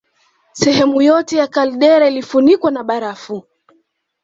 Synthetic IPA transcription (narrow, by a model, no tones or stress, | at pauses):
sɛɦɛmujɔtɛjakalɗɛɾailifunikwanaɓaɾafu